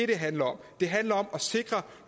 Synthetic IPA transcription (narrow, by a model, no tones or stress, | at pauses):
e̝ɾ̥e̝ɦænlɐɒ̽md̥e̝ɦænlɐɒ̽mɒ̽se̝ɡ̥ʁɐ